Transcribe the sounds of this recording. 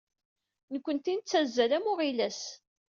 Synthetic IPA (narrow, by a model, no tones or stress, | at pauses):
nəkʷːənt̪int͡sːæzːælæmʊʁilæs